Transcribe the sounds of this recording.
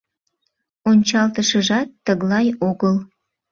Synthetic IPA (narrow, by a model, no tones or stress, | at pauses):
onʲt͡ɕɑlt̪əʃəʒɑt̪ːəɣlɑjoɣəl